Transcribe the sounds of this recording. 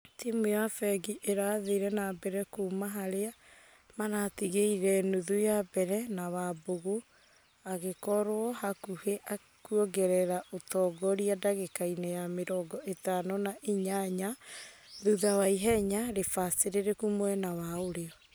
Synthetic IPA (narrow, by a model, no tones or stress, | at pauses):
timujafɛɡiʔeɾaðeɾɛnabɛɾɛkomaɦaɾea | manatiɣeiɾɛnuðujabɛɾɛnawaboɣo | aɣekɔɾoɔhakuheʔa | kuɔɡɛɾɛɾaʔotɔːɡɔɾiadaɣekainɛjameɾɔɡɔʔetanɔnaʔiɲaɲa | ðuðawaiɦɛɲaɾefaseɾeɾekumwɛnawaoɾeɔ